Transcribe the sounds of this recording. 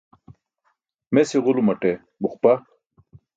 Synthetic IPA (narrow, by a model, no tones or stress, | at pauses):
mesiʁulumɐʈe | buχpa